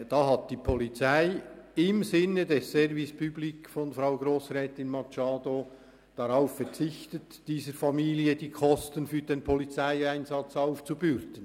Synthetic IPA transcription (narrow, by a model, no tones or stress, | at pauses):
d̥ɑːɦɑt̚d̥iːpʰɔlit͡saɪɪmzɪnːədɛsːɛɾvispʰyblikfɔnfɾaʊɡɾoːsʁɛːtɪnmɑt͡ʃɑːdo | d̥ɑɾaʊffɛɾt͡sɪçtət | d̥iːzəɾfɑmiːliədiːkʰɔstənfyːɾd̥enpʰɔlit͡sæɪæɪnzɑt͡saʊft͡subʏɾtən̩